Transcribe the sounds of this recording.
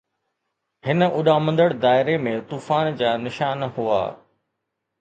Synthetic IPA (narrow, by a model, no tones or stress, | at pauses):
hɪnəʊɗaːmə̃nd̪əɽd̪aːɪɾemẽt̪uːfaːnd͡ʑaːnɪʃaːnɦua̰ː